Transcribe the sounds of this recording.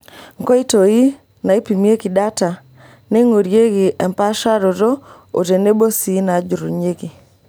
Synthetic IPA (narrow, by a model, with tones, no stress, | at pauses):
ŋkɔ˦i˦to˨i˦ | na˨i˦pi˨mje˦ki˨da˦ta˨ | ne˦ŋo˨ɾje˦ɡɪ˨ʔɛ˨mpa˦ʃa˦ɾo˨ɾo˦ | o̰˨te˨ne˦bo˦si˨˦na˨d͡ʒʊ˨ɾo˨ɲe˦ɡi˨